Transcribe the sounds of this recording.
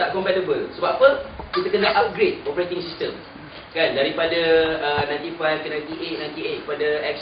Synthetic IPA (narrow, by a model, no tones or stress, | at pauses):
aʔkɔmpɛtəbəlsəbap̚ːəkit̪əkənãʔap̚ɡɾet̚ɔpəɾet̪iŋsistəm | kandaɾipadaːnãj̪̃t̪ifajfkənãj̃nt̪iʔet̪̚nãj̃nt̪iet̪̚padaɛk̚ʃ